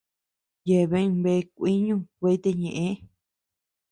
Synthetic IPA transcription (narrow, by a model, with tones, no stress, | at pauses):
je˨βẽ˦˧βe˧kʷi˦ɲũ˦ke˧i˦t̪e˧ɲẽ˨ʔẽ˦